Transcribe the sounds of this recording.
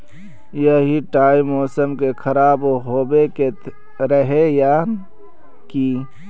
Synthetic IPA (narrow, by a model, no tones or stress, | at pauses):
jəɦiʈaːimɔːsəmkekʰəɾaːbɦoːbeke | ɾəɦejaːn | ki